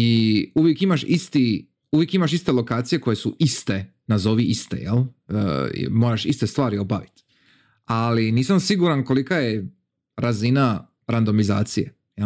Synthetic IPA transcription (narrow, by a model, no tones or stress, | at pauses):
iuʋjekimaʃist̪i | uʋjekimaʃ̬ist̪e̞lo̞kaːt̪sije̞ko̞jesuist̪e | nazo̞ʋiist̪ḛjḛl̰ | mo̞ːɾaʃḭst̪e̞st̪ʋaːɾio̞baʋit̪ | aliniːsamsiɡuɾanko̞likaje | ɾazina | ɾand̪o̞mizaːt̪sijḛ | je